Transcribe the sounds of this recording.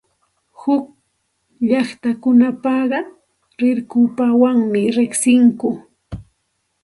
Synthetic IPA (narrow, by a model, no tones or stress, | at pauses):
hʊk | ʎɑχt̪akʊnapɑɢɑ | ɾɪɾkʊpawaŋmɪɾɪχsɪŋkʊ